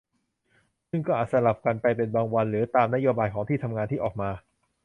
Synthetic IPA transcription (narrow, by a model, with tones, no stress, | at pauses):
sɯ˥˩ŋkɔː˥˩ʔaː˨˩t̪̚sa˧la˨˩p̚ka˧npa˧jpe˧nbaː˧ŋwa˧nɾɯː˩˦t̪aː˧mna˥joː˧baː˧jkʰɔː˩˦ŋt̪iː˥˩t̪ʰa˧mŋaː˧nt̪ʰiː˥˩ʔɔː˨˩k̚maː˧